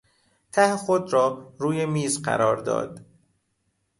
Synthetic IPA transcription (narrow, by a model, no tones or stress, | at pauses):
t̪ʰæhxod̪ɾɒːɾuːjemiːzɢæ̰ɾɒːɾd̪ɒ̰ːd̪̥